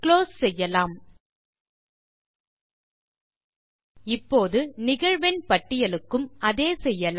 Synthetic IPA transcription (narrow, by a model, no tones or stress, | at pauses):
kloːssɛjːɐlaːm | ɪpːoːðɯnɪɣɐɻʋɛnpɐʈːɪjɐlɯkːɯmɐðeːsɛjːɐl